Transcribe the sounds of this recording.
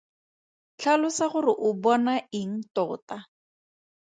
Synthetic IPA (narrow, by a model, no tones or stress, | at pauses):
t͡ɬʰalʊsaχʊrɪʔʊbɔnaɪŋ̩tɔːta